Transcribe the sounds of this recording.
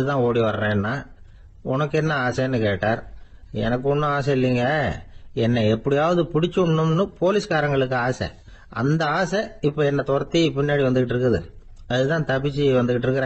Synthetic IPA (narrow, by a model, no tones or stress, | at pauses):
ðɯt̪ãːoːɽiʋɐɾɾẽːɛnːaː | ʊnɐkːɯɛnːɐaːsɛnːɯkeːʈːaːɾ | ɛ̰nɐkːɯɔnːɐaːs̬ɛɪlːiŋɡɐ | ɛnːɐɛpːɐɽɪjaːʋɐðɯpʊɽɪt͡ʃːʊɳːɯmnɯpoːlɪsɯkaːɾɐŋɡɐɭɯkːɯaːsɛ̰ | ʔɐ̰nd̪ɐaːsɛɪpːoːɛnːɐt̪ɔɾɐt̪ːipɪnːaːɽiʋɐnd̪ɯkːɪʈ̬ːɪɾɯk̬ːɐðɯ̰ | ɐðɯt̪ãːt̪ɐpːɪt͡ʃːɯʋɐnd̪ɯkːɪʈːɪɾɯkːɯɾẽː